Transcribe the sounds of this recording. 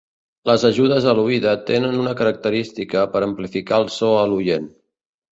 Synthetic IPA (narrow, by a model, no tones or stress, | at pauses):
ləzəʒuðəzəluiðət̪enənunəkəɾək̚t̪əɾist̪ikəpəɾəmplifikalˠsɔəlujen